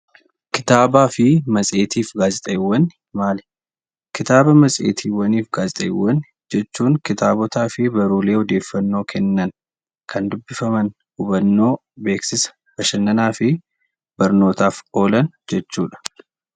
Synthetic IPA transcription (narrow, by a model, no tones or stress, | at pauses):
kɪ̥t̪aːbaːfɪmɐsʼe̞ːt̪iːfɡaːzɪt̪ʼɐɪwːɐn | maːlɛ̥ | kɪt̪aːbɐmɐsʼḛːt̪ʰiːwːɐniːfɡaːzɪt̪ʼɐɪwːɐn | d͡ʒɛt͡ʃːuːŋkɪt̪aːbɔt̪aːfɪbɐɾuːle̞ːhɔd̪e̞ːfːɐnːo̞ːkʰɛnːɐn | kʰɐnd̪ʊbːɪfɐmɐn | ʊbɐnːo̞ː | be̞ːksɪsɐ̥ | bɐʃɐnːɐnaːfɪ | b̥ɐɾno̞ːt̪aːfo̞ːlɐn | d͡ʒɛt͡ʃːuːᶑɐ̥